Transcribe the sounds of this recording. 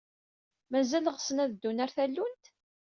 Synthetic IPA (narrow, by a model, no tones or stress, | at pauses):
mæzæləʁəsənæðd̪ːunæɾθælːunt̪